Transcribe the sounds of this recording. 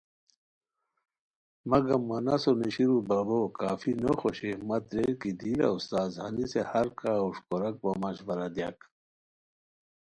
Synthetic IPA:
mɐɡɐmːɐnasoniɕiɾubɐbokaːfinoxoɕimɐt̪ɾeɾkid̪iːla̰ust̪aːzhɐnisehɐɾkaːuʂkoɾɐk̚bamɐɕʋɐɾad̪ja̰k

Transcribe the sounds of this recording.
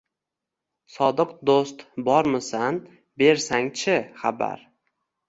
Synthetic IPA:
sɒd̪ɨqd̪ost̪bɒɾmɪsan | be̞ɾsaŋt͡ʃʰɪχaba̰ɾ

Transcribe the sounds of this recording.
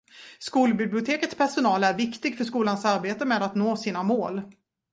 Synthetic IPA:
skuːlbɪblɪʊt̪ʰeːkət̪spʰæʂʊnɑːlæɾvɪkt̪ɪɡfœʂkuːlansaɾbeːt̪əmeːd̪at̪noːsiːnamoːl

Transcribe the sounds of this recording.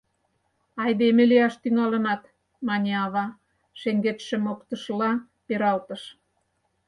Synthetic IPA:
ɑjd̪emĕleɑʃt̪yŋɑlə̆nɑt̪ | mɑnʲeɑβɑ | ʃeŋɡet̪ʃĕmokt̪ə̆ʃlɑ | peɾɑlt̪əʃ

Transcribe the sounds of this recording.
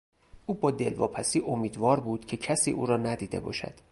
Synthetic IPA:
ʔuːbɒːd̪e̞lvɒ̰ːpʰæsiːʔomiːd̪vɒːɾbuːd̪̥cʰe̞cʰæsiːʔuːɾɒːnæd̪iːd̪e̞̰bɒ̰ːʃæ̰d̪̥

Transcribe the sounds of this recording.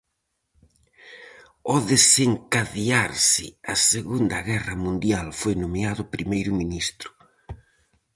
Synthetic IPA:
ɔðeseŋkaðiaɾsɪ̰ɐseɣund̪ɐɣɛrɐmũnd̪jalfojnomeaðʊpɾimejɾʊminist̪ɾʊ̥

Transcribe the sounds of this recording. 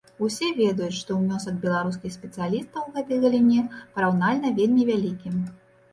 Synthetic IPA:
usʲɛvʲɛd̪ujut͡sʲʂt̪ɔmʲɔsɐd̪bʲɛlˠaɾus̬kʲixsʲpʲɛt̪sɨjalʲist̪ɐwɣɛt̪ɨjɣɐlʲinʲɛpɐɾawnalʲnɐvʲelʲmʲivʲalʲikʲim

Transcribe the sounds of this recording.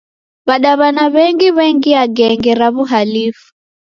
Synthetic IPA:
βaɗaβanaβɛŋɡiβɛŋɡiaɡɛŋɡɛɾaβuɦalifu̥

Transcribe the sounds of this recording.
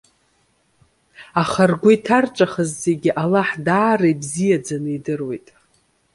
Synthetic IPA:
aχarɡʷʊitʰart͡ʃʷʼaχəzːeɡʲiʔalaħdaːrajbzijad͡zanɨidɨrwe̞jtʼ

